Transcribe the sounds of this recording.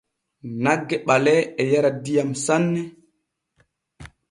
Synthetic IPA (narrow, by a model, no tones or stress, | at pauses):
naɡːɛɓalɛɛjaɾadijamsanːɛ